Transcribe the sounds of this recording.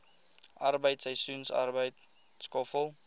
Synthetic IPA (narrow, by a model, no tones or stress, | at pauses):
ʔɐrbəjtsəjsunsɐ̰rbəjt | skɔfəlˠ